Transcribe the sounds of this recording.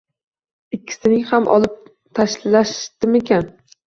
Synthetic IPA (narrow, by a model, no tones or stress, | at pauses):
ɪkʲʰːɪ̥sɪnɪŋhamʔɒ̰lˠɪp̚ | t̪ʰaʃlaʃd̪ɪme̞kʲʰan